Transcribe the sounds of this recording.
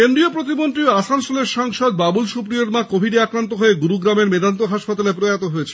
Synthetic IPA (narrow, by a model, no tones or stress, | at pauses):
kend̪ɾiopɾot̪̬imont̪ɾiasansoleɾʃaŋʃod̪̚babulʃupɾijoɾmakobʱiɖiakɾant̪oɦoeɡuɾuɡɾameɾmed̪ant̪oɦaʃpat̪alepɾoajat̪oɦoet͡ɕʰe̥